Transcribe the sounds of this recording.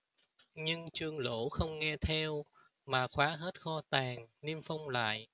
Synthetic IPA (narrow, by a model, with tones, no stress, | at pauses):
ɲɨ˧ŋt͡ɕɨ˧əŋlo̰˧˥xə˧wŋ͡mŋɛ˧t̪ʰɛ˧w | maː˨˩xwaː˨˦ɦe˦˥t̚xɔ˧t̪aː˨˩ŋni˧əmfa˧wŋ͡mla̰ː˧˨jʔ